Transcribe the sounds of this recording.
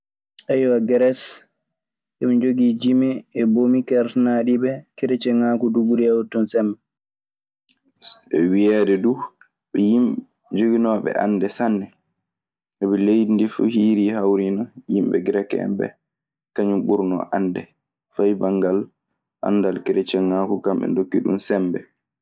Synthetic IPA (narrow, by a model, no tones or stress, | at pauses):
ʔajwaɡɛɾɛs | ʔɛmd͡ʒoɡid͡ʒimɛːbomikɛɾnaɗibɛkeɾet͡ʃɛŋaːkuduɡuɾiawutːɔnsɛm | ɛwijɛdɛdu | ɓɛjim | d͡ʒoɡinɔːɓɛ̰ʔa̰nːdɛsanːɛ | ʔɛɓɛlejdindifṵhiːɾihawɾinɔjimɓɛ̰ɡɾɛkɛ̰mbɛ̰ | kaɲumɓuɾnɔ̰ʔandɛ | fajbaŋɡal | ʔa̰nːdalkɛɾɛt͡ʃɛŋaːkukamɓɛ̰ndokːiɗṵnsɛmbɛ